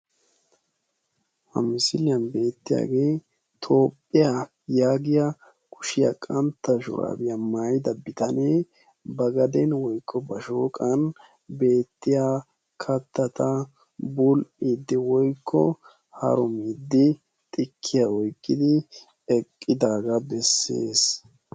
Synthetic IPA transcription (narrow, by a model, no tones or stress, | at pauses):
hɐ̰mɪsɪlɪjɐnbe̞ːt̪ːɪja̰ːɡe̞ː | t̪ʰo̞ːpʼːɪja | jaːɡɪjɐ | kʊ̥ʃɪjɐ̰kʼɐnt̪ːɐʃʊ̰ɾa̰ːbɪjɐmaːjɪd̪ɐbɪt̪ɐneː | bɐɡɐd̪ɛnwɔjkʰːɔbɐʃoːkʼɐn | be̞ːt̪ːɪja | kʰɐt̪ːɐt̪ɐ | bʊlʔiːd̪ːɪwɔjkʰːɔ | hɐ̰ɾɔmiːd̪ːɪ | t̪ʼɪkʰːɪjaɔjkʼːɪd̪ɪ | ɛkʼːɪd̪aːɡɐbɛsːe̞̰ːs